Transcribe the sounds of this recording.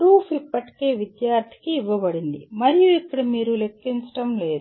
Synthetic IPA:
pɾuːfʰipːɐʈi̥ke̞ːʋid̪jaːɾt̪ʰi̥kiːʋːɐbɐɽind̪ḭmɐɾijuipːuɽimiːɾule̞kːiɲt͡ʃɐ̥ʈɐmle̞ːd̪u

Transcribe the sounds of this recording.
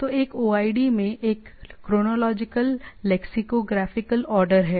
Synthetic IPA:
t̪oeːkoːaːiɖimẽʔeːkːɾoːnoːlɔːd͡ʒɪkəlːɛːksɪkoɡɾaːfɪkəlɔːɾɖəɾɦɛː

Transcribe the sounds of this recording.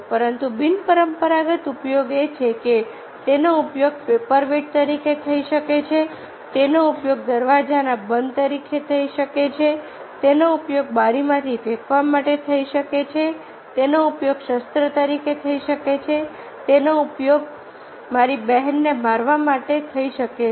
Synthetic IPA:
pəɾənt̪ubinpəɾəmpəɾaɡət̪upjoɡet͡ʃʰeke | t̪enoupjoɡ̚pepəɾʋeʈ̚t̪əɾiket̪ʰəiʃəket͡ʃʰe | t̪enoupjoɡ̚d̪əɾʋad͡ʒanabənd̪t̪əɾikʰet̪ʰəiʃəket͡ʃʰe | t̪enoupjoɡ̚baɾimãt̪ʰifʰekʰʋamaʈet̪ʰəiʃəket͡ʃʰe | t̪enoupjoɡʃəst̪ɾət̪əɾiket̪ʰəiʃəket͡ʃʰe | t̪enoupjoɡ | maɾibɛɦɛnːebʱaɾʋamaʈet̪ʰəiʃəke

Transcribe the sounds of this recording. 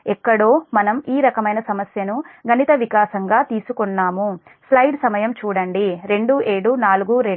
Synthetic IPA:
ɛkːɐɽoːmɐnɐmiːɾɐkɐmɐjnɐsɐmɐsjɐnuɡɐnit̪ɐʋikaːsɐŋɡaːt̪iːsukɔnːaːmu | slɐjɖsɐmɐjɐmt͡ʃuːɽɐɳɖiɾe̞ɳɖuːʔeːɽunaːluɡuːɾe

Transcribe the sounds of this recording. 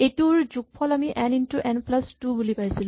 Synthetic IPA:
etuɹzuɡ̚pʰɔlamiʔɛnintuʔɛnplastubulipajsil

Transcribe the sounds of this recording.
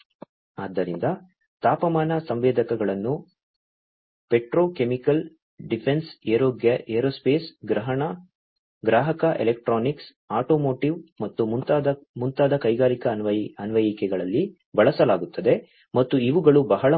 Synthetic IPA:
aːd̪ːɐɾḭnd̪ɐ | t̪aːpɐmaːnɐsɐmʋeːd̪ʱɐkɐɡɐɭɐnːu | peʈɾoːkemikɐl | ɖipʰenseːɾoːɡjɐʔeːɾoːspeːsɡɾɐɦɐɳɐ | ɡɾaːɦɐkɐʔelek̚ʈɾoːniks | aːʈo̞ːmoːʈiʋmɐt̪ːut̪ːd̪ | munt̪aːd̪ɐkɐjɡaːɾikɐnʋɐɐnʋɐjikɛɡɐɭɐlːi | bɐɭɐsɐlaːɡut̪ːɐd̪e̞ | mɐt̪ːuiʋuɡɐɭubɐɦɐɭɐ

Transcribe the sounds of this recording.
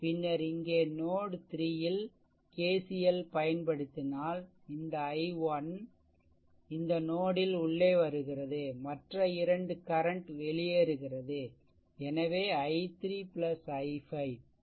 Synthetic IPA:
pɪnːɐɾɪŋɡeːnoːɽɯt̪ɪɾɪjɪl | keːsɪjɛlpɐjɐnpɐɽɯt̪ːɪnaːl | ɪnd̪ɐːɪʋɐn | ɪnd̪ɐnoːɽɪlʊɭːeːʋɐɾɯɣɪrɐðɯmɐʈrɐɪɾɐɳɖɯkɐɾɐɳʈʋɛɭɪjeːɾɯɣɪrɐðɯ | ɛnɐʋeːɐɪt̪ɾiːpɪlɐsɐɪfɐɪʋ

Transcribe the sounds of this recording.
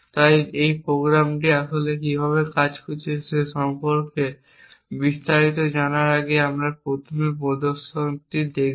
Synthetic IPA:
t̪ajejpɾoɡɾamʈiaʃolekibʱaβekad͡ʑkʰut͡ɕʰiseʃɔmpoɾke | bist̪aɾit̪̬od͡ʑanaɾaɡeamɾaɾpɾot̪ʰomepɔd̪oʃont̪id̪ek

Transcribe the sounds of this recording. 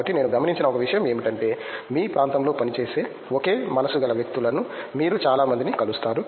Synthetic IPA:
ɐʈːine̞ːnuɡɐmɐniɲt͡ʃinɐɔkɐʋiʂɐjɐme̞ːmiʈɐɳʈe̞ːmiːpɾaːnt̪ɐmlo̞ːpɐnit͡ʃe̞ːse̞ː | oke̞ːmɐnɐsuɡɐlɐʋjek̚t̪ulɐnumiːɾut͡ʃaːlaːmɐnd̪inikɐlust̪aːɾu

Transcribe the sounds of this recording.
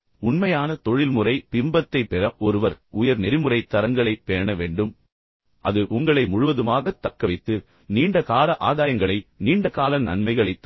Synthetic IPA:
ʊɳmɐjaːnɐt̪ɔɻɪlmɯrɐɪpɪmbɐt̪ːɐɪpːɛɾɐʔɔɾɯʋɐɾʊjɐɾnɛɾɪmɯrɐɪt̪ːɐɾɐŋɡɐɭɐɪpːeːɳɐʋeːɳɖɯm | ʔɐ̰ðɯʔʊŋɡɐɭɐɪmʊɻʊʋɐðɯmaːɣɐt̪ːɐkːɐʋɐɪt̪ːɯ | niːɳɖɐkaːlɐʔaːðaːjɐŋɡɐɭɐɪniːɳɖɐkaːlɐnɐ̰ɳmɐɪɣɐɭɐɪt̪ː

